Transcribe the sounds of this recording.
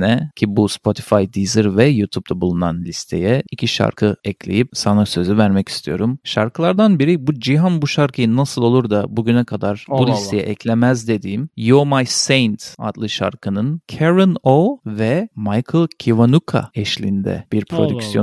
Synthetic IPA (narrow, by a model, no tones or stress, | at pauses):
nɛcʰibuspʰo̞t̪ʰi̥fajd̪izɯɾvɛjut̪ʰup̚t̪ʰabulˠuna̰nlʲist̪ʰe̞̰jɛicʰiʃa̰ɾkʰɯɛcʰlʲe̞̰jip̚sanasø̞zyvæɾmɛci̥st̪ʰijo̞ɾumʃaɾkɯlˠaɾd̪anbiɾibud͡ʒiɦanbuʃaɾkʰɯjɯnːasɯlˠo̞lˠuɾd̪abuɟynɛkʰad̪aɾbulʲisst̪ʰejɛ̰ʔɛcʰlʲemæzd̪e̞d̪iːmjomajsejnt̪a̰t̪lˠɯʃa̰ɾkʰɯnɯncʰeɾinovɛmajkʰɯlˠcʰivanukʰa̰ɛʃlʲḭnd̪ɛ̰b̥iɾpʰɾod̪yksijo